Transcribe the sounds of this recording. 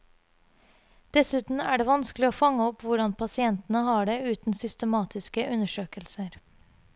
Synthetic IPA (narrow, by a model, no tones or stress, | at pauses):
d̪̥ɛsʉːt̪n̩æːɖeːʋɑnsklɪoːfɑŋːəɔpːʋʊɖɑnpʰɑsɪɛnt̪n̩əɦɑːɖeːʉːt̪n̩sʏst̪əmɑːt̪ʰɪskəʔʉnəʂøːkəlsəɾ